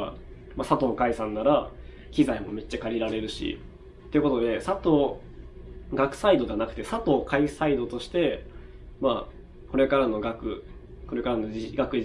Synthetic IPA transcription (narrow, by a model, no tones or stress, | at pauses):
masat̪o̞ːkaisãnːaɾa | kʲizaimo̞̰me̞t͡ɕːakaɾʲiɾaɾe̞ɾɯ̟ɕḭ | t̪ːeiɯ̟ko̞t̪o̞d̪e̞sat̪o̞ː | ɡakɯ̟̥said̪o̞anakɯ̟t̪e̞sat̪o̞ːkaisaid̪o̞t̪o̞ɕi̥t̪e̞ | ma | ko̞ɾe̞kaɾano̞ɡakɯ̟ | ko̞ɾe̞kaɾano̞iɡakɯ̟